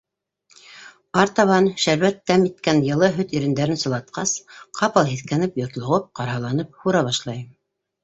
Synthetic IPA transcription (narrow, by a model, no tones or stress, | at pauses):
ɑɾt̪ɑβɑnʃæɾwæt̪ːæmit̪kænjɤ̆lˠɤɦɵt̪iɾɘ̆nd̪æɾɘnsɤ̆lˠɑt̪̚qɑsqʰɑpɑlˠɦiθkænɘpjŏɾt̪lˠŏʁɤp̚qɑɾɦɑlˠɑnɤp̚huɾɑβɑʃlˠɑjɤm